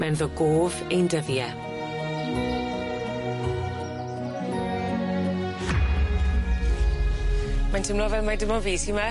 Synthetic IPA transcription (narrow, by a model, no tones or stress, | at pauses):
mɛnðɔɡoːvejndəðjɛ | mantʰəmlɔvɛlmadəmɔviːsima